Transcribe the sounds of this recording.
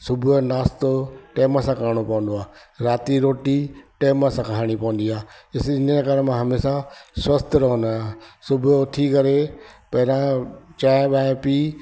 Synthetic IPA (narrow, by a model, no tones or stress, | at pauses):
sʊbʱnaːst̪oʈeːmãsãkəɾɽ̃opɐʋə̃nd̪oaːɾaːt̪iɾoːʈiʈeːmasãkʰɦaːɽ̃ipɐʋə̃n̆d̪iaːɪsɪnəekaːɾmãɦɐmeːsãswɐst̪ɾɐɦnãsʊbʱt̪ʰikɐɾepɐɦɪɾãt͡ʃaːɓãːpiː